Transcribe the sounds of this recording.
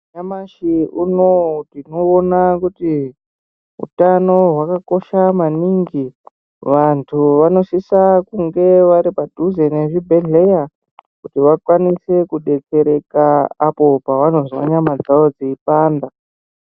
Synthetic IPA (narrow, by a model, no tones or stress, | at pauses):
ɲamaʃiunotino̞ːnakuti | ṵtano̞ɦwakako̞ʃamaniŋɡi | ʋantʰuʋano̞sisakuŋɡe̞ʋaɾipadʱuze̞neʐibʱe̞ɮe̞ja | kutiʋakwanise̞kuɗe̞ke̞ɾe̞kaːpo̞paʋano̞zwa̰ɲamad͡zaʋo̞d͡zeipaːnda